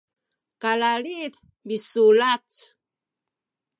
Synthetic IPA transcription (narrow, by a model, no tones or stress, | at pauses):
kalalit̪ | bisulat͡s